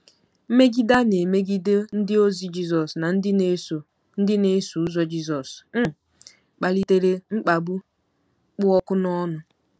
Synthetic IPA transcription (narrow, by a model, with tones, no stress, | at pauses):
m̩˦me˦ɡi˦da˦ne˨me˦ɡi˦de˦n̩˦dɪ˦o˦zi˦d͡ʒi˦zɔ˨sna˨n̩˦dɪ˦ne˦so˨ | n̩˦dɪ˦ne˦su˨u˦zɔ˦d͡ʒi˦zɔ˨sm̩˦ | k͡pa˨li˦te˦ɾe˦ŋ͡m̩˦k͡pa˨bu˦ | k͡pʊ˦ɔ˦kʊ˦nɔ˦nʊ˨